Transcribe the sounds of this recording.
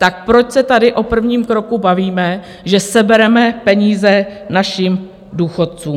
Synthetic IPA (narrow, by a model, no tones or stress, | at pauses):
t̪ak̚pɾot͡ʃsɛt̪adɪʔo̞pr̩vɲiːmkɾo̞kubaviːmɛ | ʒɛsɛbɛɾɛmɛpɛɲiːzɛnaʃiːm | duːxo̞t̪̚t͡suːm